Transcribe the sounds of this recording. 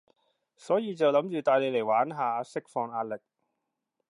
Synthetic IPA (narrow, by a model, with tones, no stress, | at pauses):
sɔː˨˥jiː˨˧t͡sɐ˨wlɐ˨˥mt͡ʃyː˨˧t̪aː˨˧jle˨˧jle˨˩jwaː˨˥nɦaː˨˧sɪ˥k̚fɔː˧ŋaː˧t̚lɪ˨k̚